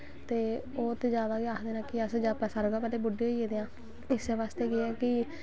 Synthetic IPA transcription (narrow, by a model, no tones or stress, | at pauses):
t̪eː | oːt̪eːd͡ʒjaːd̪aːɡeaːkd̪eːnãːkɪəsd͡ʒapɛːsaːɾəɡaːpɛːleːbʊɖeːieːd̪eːãː | ɪseʋaːst̪eːɡeɛːkɪ